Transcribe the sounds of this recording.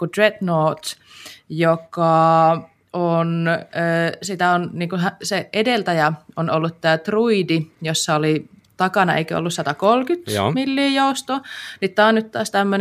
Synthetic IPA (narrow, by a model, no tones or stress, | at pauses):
kut̪rednoːt̪ | jokɑ | onøːsit̪æonniːŋkuɦæseedelt̪æjæonolːut̪t̪æːt̪ruidijosːɑoli | t̪ɑkɑnɑḛikøo̰lːussɑt̪ɑkolkyt̪o̰milːiːjoust̪oːnit̪t̪ːɑːnyt̪t̪ɑːst̪æmːøn